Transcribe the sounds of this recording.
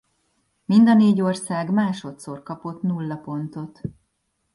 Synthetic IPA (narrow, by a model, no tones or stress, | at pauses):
mind̪ɒneːɟo̞rsaːɡmaːʃo̞t̪so̞rkɒpo̞t̪nulːɒpo̞nt̪o̞t̪